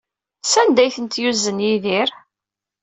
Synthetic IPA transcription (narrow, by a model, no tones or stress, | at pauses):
sænd̪æjθənt̪juzːənjiðiɾ